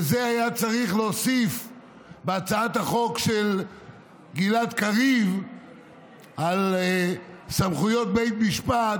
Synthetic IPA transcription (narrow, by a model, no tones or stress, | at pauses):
zeajat͡saʁiχlosif | beat͡saat̪haχo̞kʃel | ɡilat̪kaʁiv | al | samχujot̪̚bejt̪miʃpat